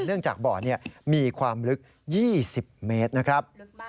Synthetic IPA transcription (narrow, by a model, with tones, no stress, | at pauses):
nɯ˥˩əŋt͡ɕaː˨˩k̚bɔː˨˩ni˥˩ɐmiː˧kʰwaː˧mɾɯ˦˥k̚ | jiː˥˩si˨˩p̚me˦˥t̪̚na˦˥kʰɾa˦˥p̚